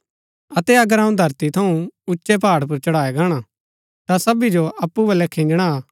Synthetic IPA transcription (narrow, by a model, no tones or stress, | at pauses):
ɐt̪ɛɐɡəɾɦɐ̃ũd̪ʱɐɾt̪it̪ʰɐũʊtːʃepaːɽp̬ʊɾt͡ʃɐɽaːeɡaːɽ̃a | t̪asɐbid͡ʒoɐpːubɐlɛkʰɪ̃ːnd͡ʒɽ̃a